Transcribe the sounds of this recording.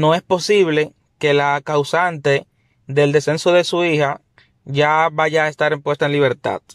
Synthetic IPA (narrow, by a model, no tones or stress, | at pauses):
no̞e̞spo̞siβ̞le̞ | ke̞lakawsant̪e̞ | ðe̞ld̪e̞se̞nso̞ðe̞suiha | ʝaβaʝaːest̪aɾempwe̞st̪aenliβ̞e̞ɾt̪a̰ð̥